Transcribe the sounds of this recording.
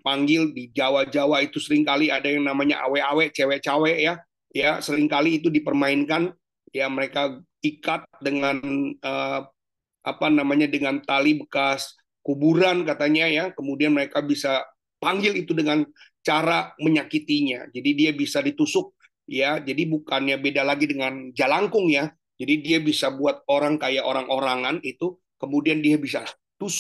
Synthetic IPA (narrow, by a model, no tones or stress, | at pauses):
paŋɡɪldid͡ʒawad͡ʒawait̪usəɾɪŋkaliadajaŋnamaɲa̰ʔa̰wɛʔawɛʔt͡ʃewɛʔt͡ʃawɛʔja | jasəɾɪŋkaliːt̪̬udipərmaɪnkan | jaməɾeka | ikat̪̚dəŋanə | ʔapanamaɲadəŋant̪alibəkas | kubuɾankat̪aɲajakəmudianməɾekabisa | paŋɡɪlit̪udəŋant͡ʃaɾaməɲakit̪iɲa̰d͡ʒadidiabisadit̪usʊk̚ | jad͡ʒadibukanjabedalaɡidəŋand͡ʒalaŋkʊŋja | d͡ʒadidiabisabuat̪̚oɾaŋkajaʔoɾaŋʔoɾaŋanit̪u | kəmudiandiabisa | t̪us